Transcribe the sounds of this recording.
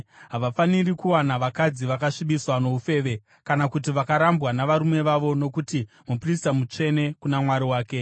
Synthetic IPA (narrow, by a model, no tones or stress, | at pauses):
ɦaʋafanirikuwanaʋakad͡ziʋakaʂiɓiswano̞ufe̞ːʋe̞ | kanakut̬iʋakaɾambwanaʋaɾume̞ʋaʋo̞no̞kuti | mupristamut͡ʂe̞ne̞kunamwaɾiwaːke̞